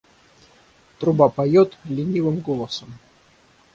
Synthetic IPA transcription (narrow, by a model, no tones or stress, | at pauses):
t̪ɾʊbapɐjot̪lʲɪnʲivɨmɡolˠəsəm